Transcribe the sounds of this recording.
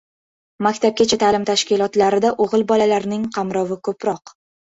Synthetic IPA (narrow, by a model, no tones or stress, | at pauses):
makʲt̪ʰap̚ɡʲat͡ʃʰat̪ʰaːlɪmt̪ʰaʃkʲɪlˠɒt̪laɾɪd̪aʔoʁɨlbɒlalaɾnɪŋqʰɑmɾɒvɪkʰɵpɾɒq